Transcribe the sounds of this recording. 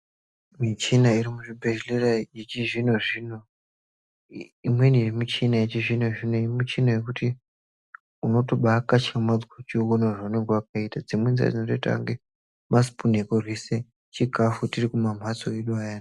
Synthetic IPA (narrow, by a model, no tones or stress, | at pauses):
mit͡ʃinaiɾimuʐibʱe̞ʃelerajet͡ʃiʐinoʐino | imwe̞nirimut͡ʃinajet͡ʃiʐinoʐinoeimut͡ʃinaje̞kuti | uno̞toɓakat͡ʃamad͡zwat͡ʃiwonoʐauneŋɡewak̚aitad͡zimwenza̰d͡zinotoita̰ŋɡe | mas̬i̥pun̤ekorwise | t͡ʃiɡʱafutirikumam̤at͡soeɗuajaːna